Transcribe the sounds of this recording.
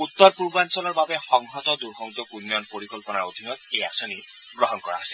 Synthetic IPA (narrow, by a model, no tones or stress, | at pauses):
ut̪ːɔɾpuɹbansɔlɔɹbabexɔŋɦɔt̪ɔd̪uɾxɔŋzɔkunːjɔnpoɾikɔlpɔnaɹod̪ʱinɔt̪eja̰sɔni | ɡɾɔɦɔnkɔɹa̰asi̥